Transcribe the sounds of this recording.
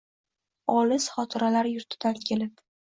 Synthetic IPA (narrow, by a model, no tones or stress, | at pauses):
ɒlɪsχɒt̪ʰɪɾalaɾjʊɾt̪ʰɪd̪ankʲʰe̞lɪp̚